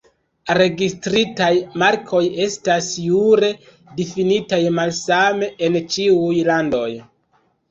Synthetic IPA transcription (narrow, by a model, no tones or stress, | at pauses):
ɾe̞ɡistɾitajmaɾkʰo̞je̞stasjuɾe̞ | difinitajmalsame̞ʔent͡ʃiujlando̞̰j